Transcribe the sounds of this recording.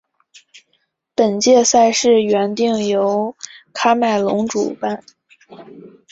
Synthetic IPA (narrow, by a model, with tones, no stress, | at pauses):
pə˨˩nt͡ɕjɛ˥˧sa˥˧ɪʂɻ̩˥˩ɥɛ˧˥nt̪i˥˩ŋjo˧˥ʊkʰa˥ma˥˩ɪlʊ˧˥ŋʈ͡ʂṵ˨˩pa˥˩n